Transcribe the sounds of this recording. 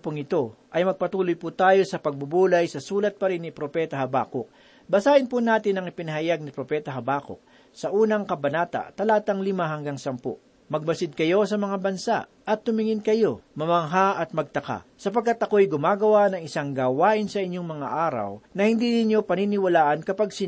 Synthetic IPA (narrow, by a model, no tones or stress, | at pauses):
pʊŋɪt̪o̞ʔɐjmɐɡ̚pɐt̪uːlojpʊt̪aːjo̞sɐpɐɡ̚bʊbuːlɐjsɐsuːlɐt̪̚pɐɾɪnːɪpɾopɛt̪ɐɦɐba̰ːkok̚ | bɐsaːʔɪnpʊnaːt̪ɪnɐŋɪpɪnɐɦɐjaɡ̚nɪpɾopɛːt̪ɐɦɐbaːko̰k̚ | sɐʔuːnɐŋkɐbɐnaːt̪ɐ̰t̪ɐlaːt̪ɐŋlɪmaɦɐŋɡaŋsɐmpo̰ʔ | mɐɡ̚bɐsɪd̪̚kɐjo̞sɐmɐŋabɐnsa̰ʔʔɐt̪hʊmɪŋɪnkɐjo̞mɐmɐŋɦaʔɐt̪̚mɐɡ̚t̪ɐka̰sɐpɐɡ̚kːat̪ɐko̞ʔɐjɡʊmaːɡɐwanɐŋɪsaŋɡaːwaːʔɪnsɐʔɪɲjoŋmɐŋa̰ʔaːɾɐ̰wnɐhɪnd̪inɪɲjo̞pɐninɪwɐlaːʔɐnkɐpaɡsɪ